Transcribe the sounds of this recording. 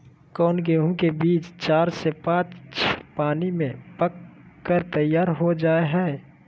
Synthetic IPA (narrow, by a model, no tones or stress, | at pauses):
kɔːnkeɦũkebiːt͡ʃt͡ʃaːɾsepãːt͡ʃt͡ʃpaːnimẽpəkːəɾt̪əjːaːɾɦod͡ʒaːeɦɛː